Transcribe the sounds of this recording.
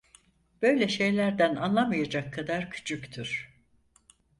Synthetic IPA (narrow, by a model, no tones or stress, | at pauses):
b̥ø̞jlʲɛʃe̞jlʲæɾd̪ænanlˠamajad͡ʒakʰːad̪aɾcʰy̥t͡ʃʰyct̪ʰyɾ̥